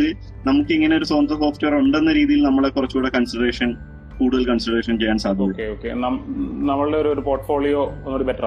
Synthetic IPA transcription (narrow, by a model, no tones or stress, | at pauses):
ɨ | nɐmukːɨiŋːɐneo̞ɾusond̪ɐmoːfʈeɐruɳɖe̞nːɐɾiːðijilnɐmːɐɭekurɐt͡ɕːukuɽekɐnsreːʂɐn | kuːɽuðɐlkɐnslɐɾeːʂɐnt͡ɕejːaːnsaːd̪ʱikɐkːeoːkːenɐmnɐmːɐɭɨɖeoɾuoɾupo̞ːrʈfo̞ːɭijoonːoːɽubetːr